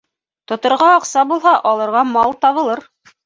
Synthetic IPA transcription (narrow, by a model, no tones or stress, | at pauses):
t̪ŏt̪ŏɾʁɑɑqsɑbulˠɦɑʔɑlˠɤ̆ɾʁɑmɑlˠt̪ɑβɤ̆lˠɤɾ